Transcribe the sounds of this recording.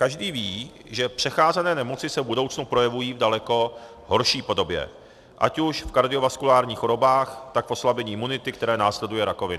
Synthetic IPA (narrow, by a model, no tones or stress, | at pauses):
kaʒdiːviː | ʒɛpr̝̥ɛxaːzɛnɛːnɛmot͡sɪsɛvbudo̞wt͡snupɾo̞jɛvujiːvdalɛko̞ | ɦoɾʃiːpo̞do̞bjɛ̰ | ʔa̰cuʃfkaɾdɪovaskulaːɾɲiːxoɾo̞baːxt̪akfo̞slabɛɲiːʔɪmːunɪt̪ɪkt̪ɛɾɛːnaːslɛdujɛɾako̞vɪn